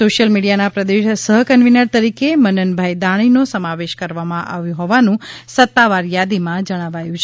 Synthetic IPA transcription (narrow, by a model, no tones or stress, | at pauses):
soʃjəlmiɽijanapɾəd̪eʃsəɦkənʋinəɾt̪əɾikemənənbʱajd̪aɽ̃inosəmaʋeʃkəɾʋamãʔa̰ʋjũɦɔʋanũsət̪ːaʋaɾjad̪imãd͡ʒəɽ̃aʋajũt͡ʃʰe